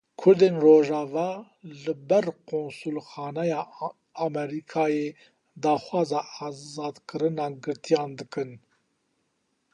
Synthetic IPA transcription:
kʰʊɾd̪eːnroːʒɑːvɑː | lɨbɛɾqʰoːnsulxɑːnɛjɑː | ɑmɛɾikʰɑːjeː | d̪ɑːxʷwɑːzɑːɑːzɑːd̪kʰɨɾɨnɑːɡɨɾt̪ʰijɑːnd̪ɨkɨn

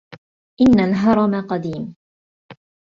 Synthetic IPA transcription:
ʔɪnːalɦɑɾˤɑmaqɑd̪iːm

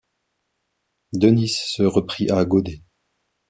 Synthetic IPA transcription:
d̪ənisːəʁəpχiʔaɡod̪e

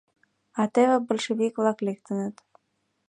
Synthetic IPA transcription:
ɑt̪eβɘ̆bŏlʃĕvikvlˠɑklek̚t̪ɘ̆nɘ̆t̪

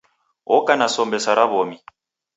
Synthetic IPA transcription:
ɔkanasɔmbɛsaɾaβɔmi

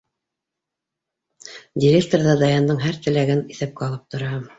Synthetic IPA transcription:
dʲɪɾʲek̚t̪orðɑd̪ɑjɑnd̪ɤɴɦæɾt̪ɘ̆læɡɘniθæp̚kæɑlˠɤp̚t̪ŏɾɑ

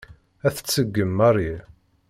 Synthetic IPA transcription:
æθə̥t͡sːəɡːəmːɑrˤi

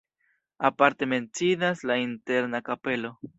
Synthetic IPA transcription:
apaɾte̞me̞nt͡sidaslainte̞ɾnakape̞lo̞

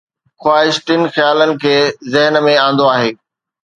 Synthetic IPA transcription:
xwaːɦɪʃʈɪn̆xjaːlənɪ̆kʰeːzɪɦnmẽãːnd̪oaːɦeː

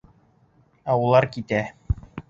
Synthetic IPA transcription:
æulˠɑɾkit̪æ

